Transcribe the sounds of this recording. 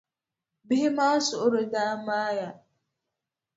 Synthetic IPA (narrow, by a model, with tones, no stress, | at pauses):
bɪ˦i˦ma˦sʊ˨ʊ˦ɾʊ˨daː˦maː˦ja˨